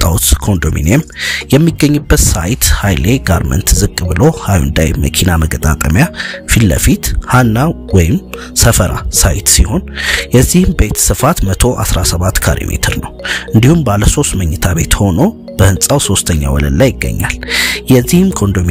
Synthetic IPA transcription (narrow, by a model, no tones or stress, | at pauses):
t̪ʼawt̪kʰo̞nd̪omḭnemjɛmːiɡːəɲːɨbːət̪sajt̪hajle̞ɡaɾmə̰nt̪zɨkʼːbɨlo̞hajṵnd̪a̰jmə̰kʰinaməɡət̪ʼat̪ʼəmjafilːə̰fit̪hanːawɔjɪm | səfəɾʔa̰sajɪt̪siho̞njɛzːihɨmbe̞t̪sɨfat̪mət̪ʰo̞ʔa̰sɾasəβat̪ːkʰaɾo̰mḛt̪ʰɨɾnəwɨnd̪ihumbaləso̞st̪məɲːɨt̪ʰaβe̞t̪ho̞no̞ | b̥əhɨnsʼawso̞st̪ʰəɲːa̰wɔlə̰d̪lajɪɡːə̰ɲːa̰ljɛzːihɨmkʰo̞nd̪omi